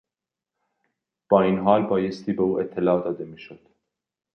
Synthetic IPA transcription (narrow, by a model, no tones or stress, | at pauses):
b̥ɒːiːnɦɒːlbɒːjest̪ʰiːbeuːʔet̪ʰːelɒːd̪ɒːd̪emiːʃod̪̥